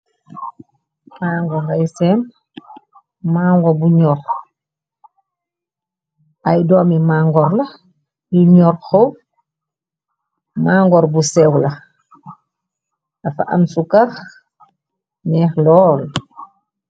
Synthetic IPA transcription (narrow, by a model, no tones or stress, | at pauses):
maːŋɡɔŋɡajsɛm | maːŋɡɔbuɲɔr | ʔajdɔːmimaːŋɡɔɾlɐ | jiɲɔɾxow | maːŋɡɔɾbusɛwlɐ | afa̰ʔa̰msukax | nɛːxlɔːl